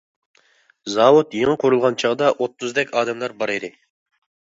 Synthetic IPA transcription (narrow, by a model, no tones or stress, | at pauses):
zɑwut̪jeŋəqʰʊɾulˠʁɑnt͡ʃʰɑʁd̪ɑʔot̪ʰːuzd̪ɛkʲɑːd̪ɛmlˠɑɾbɑɾɨd̪ɪ